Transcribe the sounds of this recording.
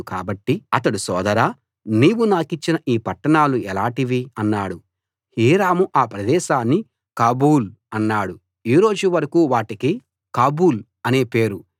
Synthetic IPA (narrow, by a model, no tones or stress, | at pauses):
ka̰ːbɐʈːiɐt̪ɐɽusɔːd̪ɐɾaː | niːwunaːkit͡ʃːinɐʔiːpɐʈːɐɳaːluɛlaːʈiʋiɐnːaːɽu | hiːɾaːmuʔaːpɾɐd̪ɛːʃaːnːi | kaːbuːl | ɐnːaːɽu | iːɾo̞ːd͡ʒuʋɐɾɐkuːʋaːʈiki | kaːbuːl | ɐne̞ːpe̞ːɾu